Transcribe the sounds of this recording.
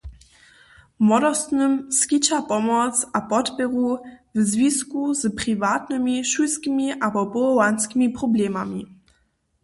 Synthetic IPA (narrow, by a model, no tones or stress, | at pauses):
mɔdɔst̪nɨmskit͡ɕapɔmɔt͡sʔapɔtpɛʁuvzvʲiskuzprivat̪nɨmiʃujskʲimiʔapɔpɔlɔwanskʲimiprɔblɛmamʲi